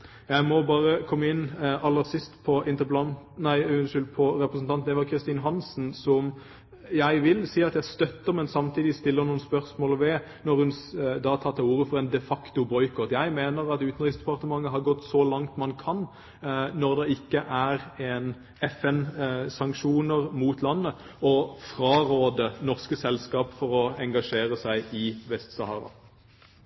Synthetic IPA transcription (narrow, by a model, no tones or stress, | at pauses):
jæɪmɔbɑːʁəkʰɔmːəɪnːɑlːəʁsɪst̪pʰɔʔɪnt̪əplɑnnæɪʉʃʉlpʰɔɾɛpʁəsn̩ɑnnɛːʋɑkʰɾɪst̪iːnɦɑnsn̩sɔm | jæɪʋɪlsiːɑt̪jæst̪œt̪ːəɾmɛnsɑmt̪ʰiːd̪ɪst̪ɪlːəɾnuːənspœʁsmoːlʋɛ | nɔɾhʉnd̪ɑːt̪ʰɑʁt̪ːɑuːɾəfɔʁɛnd̪ɛfɑkt̪ʊbɔʏkʰɔt̪ːjæɪmeːnəʁɑt̪ʉːt̪n̩t̪ʁɪsd̪ɛpɑʁt̪əmɑŋːəɦɑʁɡɔt̪ːsɔlɑŋt̪mɑnkʰɑnː | ɔʁd̪ɛɪkːəʔæʁeːn | ɛfɛnsɑŋkʂuːnəʁmuːt̪lɑnːə | ɔfɾɑːʁoːd̪ənɔʁskəsɛlskɑːpfɔɾɔɛŋɡɑʂeːʁəsæɪɪʋɛst̪sɑhɑ̰ːʁɑ̰